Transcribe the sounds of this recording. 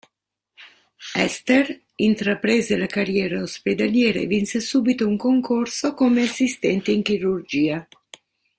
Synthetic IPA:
ɛ̰st̪er | int̪ɾapɾeːzelakarjɛːɾaosped̪aljɛːɾḛvinsesuːbit̪ouŋkoŋkorsokomeasːist̪ɛnt̪eiŋk̟iɾurd͡ʒiːa

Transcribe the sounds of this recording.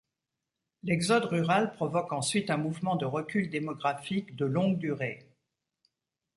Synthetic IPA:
lɛɡzɔd̪ʁyʁalpχɔvɔkɑ̃sɥit̪ɛ̃muvmɑ̃d̪əʁəkʲyld̪emɔɡʁafikd̪əlɔ̃ɡd̪yʁe

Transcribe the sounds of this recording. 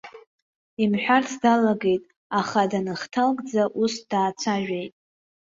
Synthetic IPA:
imħʷᶣartʰdalaɡe̞jtʼ | aχadanɨχtʰalkʼd͡zaʔusd̥aːt͡sʷʰaʒᶣejtʼ

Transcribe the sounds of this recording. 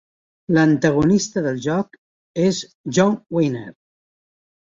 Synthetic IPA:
lənt̪əɣ̞unist̪əðəlˠʒɔk | ez | ʒɔnwejneɾ

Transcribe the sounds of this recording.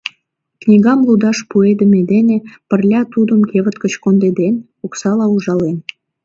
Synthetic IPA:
knʲiɣɑmlud̪ɑʃpued̪əmed̪enepə̆rlʲɑt̪ud̪əmkeβət̪kə̆t͡ɕkond̪ed̪en | oksɑlɑuʒɑlen

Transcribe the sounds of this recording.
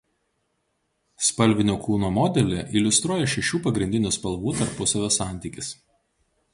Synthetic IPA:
spɐlʲʋʲɪnʲoːklˠuːnoːmɔd̪ʲɛlʲɪʔilʲʊst̪ɾuɔjɛʃʲɛʃʲuːpɐɡɾʲɪnʲd̪ʲɪnʲuːˑspɐlˠʋuːt̪ɐɾpʊsɐʋʲoːsɑˑnʲt̪ʲiːˑkʲɪs

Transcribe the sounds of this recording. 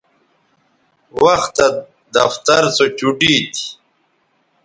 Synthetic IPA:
wɐxt̪a | d̪ɐft̪ɐɾt͡sot͡ɕuɖit̪ʰi̥

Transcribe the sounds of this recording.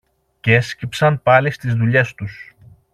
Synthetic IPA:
cescipsɐnpɐlist̪izðuʎe̞st̪us

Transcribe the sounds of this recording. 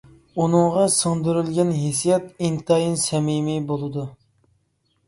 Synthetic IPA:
unɨŋʁɑsɨŋd̪yɾylɡʲɛnɦesijɛt̪int̪ʰɑjinsɛmimibolˠɨd̪u

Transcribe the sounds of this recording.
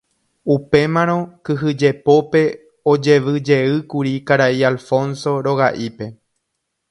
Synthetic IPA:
upe̞mãɾ̃õ̞kɨɦɨd͡ʒe̞po̞pe̞ | od͡ʒe̞ʋɨd͡ʒe̞ɨkuɾikaɾaialfõ̞nso̞ɾo̞ɣaʔipe̞

